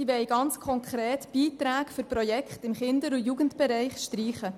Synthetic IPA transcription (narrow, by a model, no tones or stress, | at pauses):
iʋɛjɡɑnt͡skʰɔŋkʰɾeːtb̥iːtɾæːkfʏɾpɾojɛkχtɪmχɪndəɾujuɡəntbɛɾɛɪχʃtɾiːχə